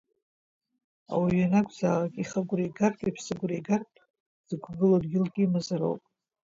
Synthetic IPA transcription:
a̰wiɥanakʷʼʰzaːlakʼiχəɡʷrejɡarkʼipʰsɨɡʷrejɡartʼ | z̥ɨɡʷɡɨlodɡʲɪlɡʲimazaɾo̰wpʼ

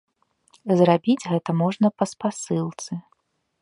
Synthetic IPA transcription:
zrabʲid͡zʲɣɛt̪ɐmɔʐnɐpɐspasɨlˠt̪sɨ

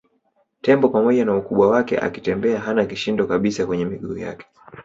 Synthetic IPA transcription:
tɛmbɔpamɔʄanaukuɓwawakɛ̰ʔa̰kitɛmbɛaɦanakiʃindɔkaɓisakwɛɲɛmiɠuːja̰kɛ̥

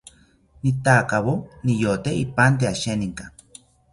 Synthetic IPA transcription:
nit̪aːkaβonijot̪eipant̪̬eaʃeniŋka

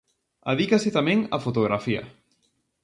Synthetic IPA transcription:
a̰ðikasɪt̪amẽŋafot̪oɣɾʔafia̰

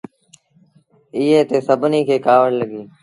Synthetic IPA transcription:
ɪːeːt̪eːsəbʱniːkʰeːkaːʋəɽləɠiː

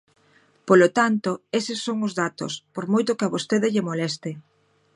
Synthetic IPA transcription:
polot̪ant̪oesɪsːoŋʊzðat̪o̰spoɾmojt̪ʊkaβost̪eðɪʎɪmolɛst̪ɪ

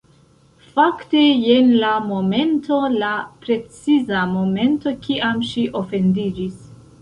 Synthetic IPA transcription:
fakte̞je̞nlamo̞me̞ntʰo̞lapɾe̞t͡sizamo̞me̞nto̞kiʔamʃiʔo̞fe̞ndid͡ʒis

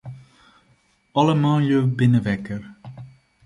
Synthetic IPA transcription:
ɑləmɑːjøwbɪnəʋɛkər

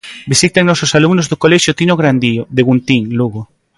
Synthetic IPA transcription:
bisit̪aŋnɔsosalumnozðokoleʃjot̪inoɣɾand̪ioðeɣunt̪iŋluɣo

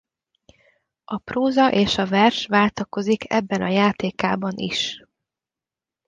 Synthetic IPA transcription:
ɒproːzɒʔeːʃɒvɛrʃʋaːlt̪ɒko̞zikʰɛ̰bːɛnɒjaːt̪eːkaːbɒnʔḭʃ

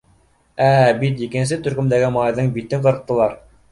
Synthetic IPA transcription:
æbit̪jɘ̆kɘ̆ns̬ɘt̪ɵ̆ɾkɵ̆md̪æɡɘmɑɑjðɤɴbit̪ɘqɤ̆ɾɤ̆q̚t̪ːɤ̆lˠɑɾ

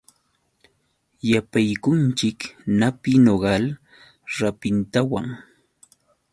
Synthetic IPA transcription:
japajkʊnt͡ʃɪknapɪnoɢɑl | ɾapɪnt̪awaŋ

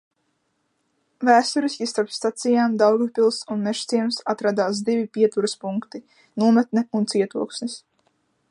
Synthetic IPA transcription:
væːst̪uɾisʲkʲist̪aɾpst̪at̪sijaːmd̪awɡupʲilˠsunmɛʃt̪siɛmsat̪ɾad̪aːs̬d̪ivipʲiɛt̪uɾɐspuŋkt̪i | nuɔmat̪̚nɛunt̪siɛt̪uɔksnis

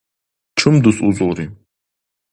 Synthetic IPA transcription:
ʈ͡ʂʰɨmd̪usʼuzʼoːɾi

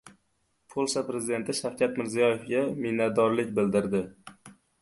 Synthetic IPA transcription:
pʰolˠsapɾe̞zɪd̪e̞nt̪ʰɪʃafkʲʰat̪mɪɾzijɒjefɡʲamɪnat̪̚d̪ɒɾlɪk̚ʲbɪld̪ɪɾd̪ɪ

